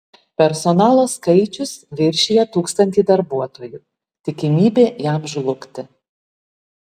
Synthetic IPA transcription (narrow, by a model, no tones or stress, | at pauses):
pʲɛɾsɔnɑːlˠoːskɐɪt͡ʃʲʊsʋʲɪɾʲʃʲiːjɛt̪uːkst̪ɐnʲt̪ʲiːd̪ɐɾbuɔt̪oːjuː | t̪ʲɪkʲɪmʲiːbʲeːjæˑmʒlˠʊkt̪ʲɪ